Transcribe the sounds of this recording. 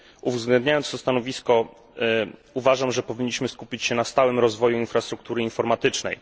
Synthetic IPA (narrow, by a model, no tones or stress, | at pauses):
uvzɡlɛnd̪ɲajɔnt̪st̪ɔst̪anɔvʲiskɔ | uvaʐamʐɛpɔvʲiɲːiɕmɘskupʲit͡ɕɕɛnast̪awɘmɾɔzvɔjuinfɾast̪ɾuk̚t̪uɾɘinfɔɾmat̪ɘt͡ʂnɛ̰j